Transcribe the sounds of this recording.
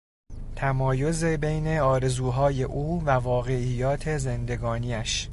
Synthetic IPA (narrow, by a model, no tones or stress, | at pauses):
t̪ʰæmɒːjo̞ze̞be̞jne̞ɒːɾe̞zuːɦɒːje̞ʔuːvævɒːɣe̞ijɒːt̪ʰe̞ze̞nd̪e̞ɡɒːniːæʃ